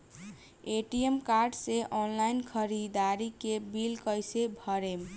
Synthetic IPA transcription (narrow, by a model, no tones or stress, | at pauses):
eʈijemkaɾɖseʔɔnlainkʰəɾid̪aɾikebilkəjsebʱəɾem